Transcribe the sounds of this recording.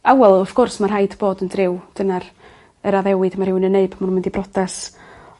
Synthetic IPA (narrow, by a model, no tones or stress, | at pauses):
awɛlˠɔfɡ̥ʊrsmarɦajdboːdəndrɪwd̥ənar | əɾaðɛwɨdmarhɪwnənːeɨbmannmɪndibrɔdɛs